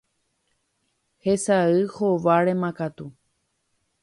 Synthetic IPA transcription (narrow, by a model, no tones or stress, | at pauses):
hesaɨhoʋaɾẽmãkat̪u